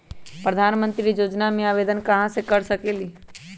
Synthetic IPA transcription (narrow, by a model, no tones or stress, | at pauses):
pɾəd̪ʱaːnmə̃nt̪ɾijoːd͡ʒnamẽaːʋeːd̪ənkɐɦãsekəɾsəkeːliː